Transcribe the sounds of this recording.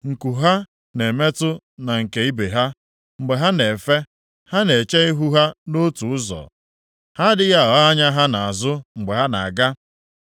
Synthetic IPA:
ŋ̩˨ku˨ɦa˦ | ne˨me˦tʊ˦ | na˨ŋ̩˨ke˨i˦be˨ɦa˦ | ŋ͡m̩˨ɡ͡be˨ɦa˦ne˨fe˦ | ha˦ne˨t͡ʃe˦i˦ɦu˦ɦa˦no˦tu˨ʊ˦zɔ̰˨ | ha˦dɪ˦ɣa˦˨ɔ˨a˦ɲa˦ɦa˦na˨a˨zʊ˦ŋ͡m̩˨ɡ͡be˨ɦa˦na̰˨a˨ɡa˦

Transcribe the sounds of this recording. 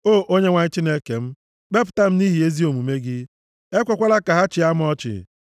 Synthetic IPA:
oː˦˨ʔo˦ɲe˦ŋʷa˨ɲɪ˦t͡ʃi˦ne˦ke˨m̩˦ | k͡pe˦p̬ʊ̥˨ta˦m̩˦ni˦ɦi˨e˦zi˦o˨mu˨me˦ɡɪ˦ | e˦kʷɔ˦kʷa˦la˦ka˨ɦa˦t͡ʃɪ˨a˦m˦ɔ˦t͡ʃɪ̰˨

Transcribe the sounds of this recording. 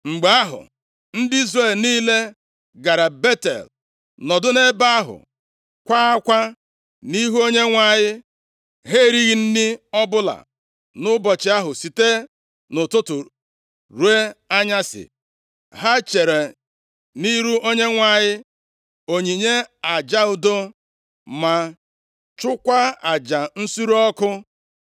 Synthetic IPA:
ŋ͡m̩˨ɡ͡ba˨a˦ɦʊ̰˨ | n̩˦dɪ˦i˦zre˦˨lniː˦le˦ | ɡa˨ɾa˨be˦tḛ˨l | nɔ˨dʊ˦ne˦ba˦a˦ɦʊ̰˨ | kʷa˦a˦kʷa˦ | ni˦ɦu˦o˦ɲe˦ŋʷa˨ɲɪ˦ | ɦe˦ɾi˦ɣi˨n̩˦dɪ˦ɔ˦bʊ˦la̰˨ | nʊ˦bɔ˨t͡ʃɪ˨˦a˦ɦʊ˨si˨te˦ | nʊ˨tʊ˦tʊ˨ | ɾu˨˦e˦a˦ɲa˦sɪ̰˨ | ɦa˦t͡ʃe˨ɾe˨ | ni˦ɾu˦ʔo˦ɲe˦ŋʷa˨ɲɪ˦ | o˨ɲi˨ɲe˦a˨d͡ʒa˦ʊ˦do˦ | ma˨ | t͡ʃʊ˦kʷa˦a˨d͡ʒa˨n̩˦su˦ɾu˦ɔ˦kʊ˦

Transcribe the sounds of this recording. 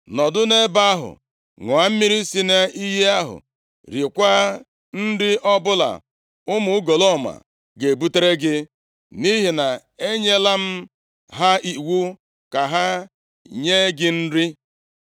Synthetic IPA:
nɔ˨dʊ˦ne˦ba˦a˦ɦʊ̰˨ | ŋʊ˨a˨m̩˦mi˦ɾi˦si˦ne˦i˦ɦe˦a˦ɦʊ̰˨ | ɾi˨kʷa˦ | n̩˦dɪ˦ʔɔ˦bʊ˦la̰˨ | ʊ˦mʊ˨ʊ˦ɡo˨lɔ˦˨ma̰˨ | ɡe˨bu˦te˦ɾe˦ɡɪ˦ | ni˦ɦi˨na˨ | e˦ɲe˦la˦m̩˦ | ɦa˦i˨wu˦ | ka˨ɦa˦ | ɲe˦ɡɪ˦n̩˦ɾɪ˦

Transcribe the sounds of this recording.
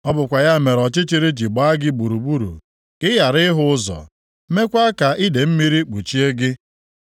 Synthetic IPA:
ɔ˦bʊ˨kʷa˨ja˦˨me˨ɾɔ˨t͡ʃɪ˦t͡ʃi˦ɾe˦d͡ʒi˨ɡ͡ba˨˦a˦ɡɪ˦ɡ͡bu˨ɾu˨ɡ͡bu˦ɾṵ˨ | kɪ˦ja˨ɾɪ˦ɦʊ˦ʊ˦zɔ̰˨ | me˦kʷa˦ka˨ʔi˦de˨m̩˦mi˦ɾi˦k͡pu˨t͡ʃi˦e˦ɡɪ˦

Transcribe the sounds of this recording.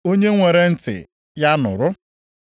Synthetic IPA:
o˦ɲe˦ŋʷe˨ɾe˨n̩˦tɪ̰˨ | ja˦nʊ̰˨ɾʊ˦

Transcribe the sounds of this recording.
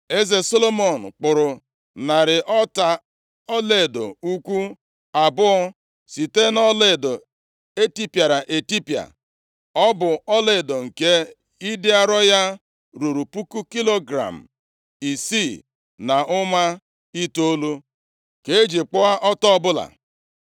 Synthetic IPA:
e˦ze˨so˦lo˦mɔ˨n̩˨k͡pʊ˨ɾʊ˨ | na˨ɾɪ˨ʔɔ˦ta˨ | ɔ˦le˨do̰˨u˦kʷu˦ | a˨bʊ˦ɔ˦ | si˨te˦nɔ˦le˦˨do˨ | e˦ti˦pja˨ɾa˨ʔe˨ti˦pja̰˨ | ɔ˦bʊ˨ɔ˦le˦˨do˨ŋ̩˨ke˦ | i˦dɪ˦a˦ɾɔ˦ja˦ | ɾu˨ɾu˨pu˦ku˦ki˦lo˦ɡɾa̰˨m̩˨ | i˨si˦˨ | na˨ʔʊ˦ma˦ | i˦to˦lu˦ | ke˦d͡ʒi˨k͡pʊ˦a˦ʔɔ˦tɔ˦bʊ˦la̰˨

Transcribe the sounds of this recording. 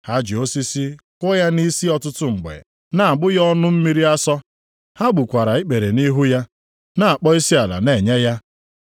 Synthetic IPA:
ha˦d͡ʒi˨o˦si˦si˦kʷʊ˦ja˦ni˦si˦ɔ˦tʊ˦tʊ˦ŋ͡m̩˨ɡ͡bḛ˨ | na˨a˨ɡ͡bʊ˦jɔ˦nʊ˦m̩˦mi˦ɾi˦a˦sɔ˦ | ha˦ɡ͡bu˨kʷa˨ɾa˨i˦k͡pe˨ɾe˨ni˦ɦu˦ja˦ | na˨a˨k͡pɔ˦i˦si˦a˨la̰˨ne˨ɲe˦ja˦

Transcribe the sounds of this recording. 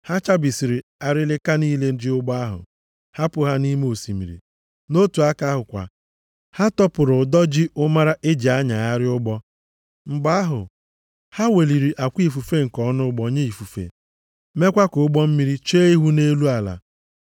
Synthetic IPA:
ha˦t͡ʃa˦bi˨si˨ɾi˨a˨ɾɪ˦lɪ˦ka˦niː˦le˦n̩˦dɪ˦ʊ˦ɡ͡bɔ˦a˦ɦʊ̰˨ | ha˦pʊ˨ɦa˦ni˦me˦o˨si˨mḭ˨ɾḭ˨ | no˦tu˨a˦ka˦ɦʊ˨kʷa̰˨ | ha˦tɔ˦pʊ˨ɾʊ˨dɔ˦d͡ʒɪ˦ʊ˦ma˦ɾa˦ʔe˦d͡ʒi˨a˦ɲa˨a˦ɾɪ˦ʊ˦ɡ͡bɔ˦ | ŋ͡m̩˨ɡ͡ba˦a˦ɦʊ̰˨ | ha˦we˨li˨ɾi˨ʔa˨kʷi˦˨fu˨fe˦ŋ̩˨kɔ˨˦nʊ˦ɡ͡bɔ˦ɲe˦i˨fu˨fḛ˨ | me˦kʷa˦kʊ˨˦ɡ͡bɔ˦m̩˦mi˦ɾi˦t͡ʃeː˦i˦ɦu˦ne˦lu˦a˨la̰˨

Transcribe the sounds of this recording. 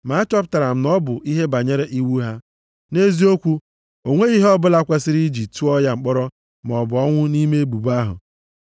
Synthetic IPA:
ma˨˦a˦t͡ʃɔ˦p̬ʊ˦ta˨ɾa˨m̩˦nɔ˦bʊ˨ʔi˦ɦe˦ba˨ɲe˦ɾe˦ʔi˦wu˦ɦa˦ | ne˦zi˦o˦kʷu˦ | o˨ŋʷe˦i˦ɦe˦ɔ˦bʊ˦la˦kʷe˦sɪ˦ɾi˦d͡ʒi˨tu˦ɔ˦ja˦ŋ͡m̩˨k͡pɔ˦ɾɔ˦ | m˨ɔ˨bʊ˨ɔ˦ŋʷʊ˦ni˦me˦e˦bu˨ba˦ɦʊ̰˨

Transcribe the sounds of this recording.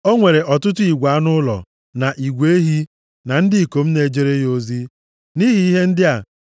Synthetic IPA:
o˦ŋʷe˨ɾe˨ʔɔ˨tʊ˦t̬ʊ˦i˨ɡʷa˨˦nʊ˦lɔ̰˨ | na˨ʔi˨ɡʷe˦ɦi˦ | na˨n̩˦dɪ˦i˨ko˨m̩˦ne˨d͡ʒe˦ɾe˦jo˨zi˦ | ni˦ɦi˦i˦ɦe˦n̩˦dɪ˦a˨

